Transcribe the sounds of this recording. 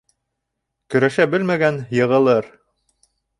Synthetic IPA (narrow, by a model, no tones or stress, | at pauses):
kɵ̆ɾæʃæbɘlmæɡænjɤ̆ʁɤ̆lˠɤɾ